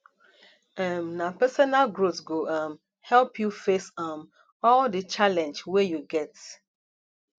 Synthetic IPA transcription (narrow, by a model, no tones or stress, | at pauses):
ɛ̃mnapɛsɔnalɡɹotsɡoʔam | hɛlpʰjufesam | ɔldət͡ʃalɛ̃nd͡ʒwɛjuɡɛt